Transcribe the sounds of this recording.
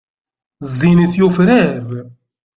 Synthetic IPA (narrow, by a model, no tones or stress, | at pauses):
zːinisjufɾæv